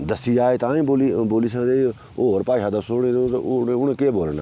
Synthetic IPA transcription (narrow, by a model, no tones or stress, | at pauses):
d̪əsiːaːeːt̪ãːĩːbolboːliːs̬ãːd̪eː | oːɾpaːʃaːd̪əsoːɽeːd̪ot̪ʊɳekeːboːlna̰